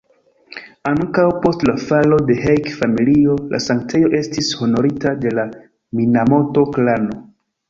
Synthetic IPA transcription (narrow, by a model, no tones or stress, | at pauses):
aŋkawpo̞stlafalo̞de̞ɦejkfamilio̞lʔa̰saŋk̚t͡sejo̞ʔe̞stisho̞no̞ɾitade̞la | minamo̞to̞klano̞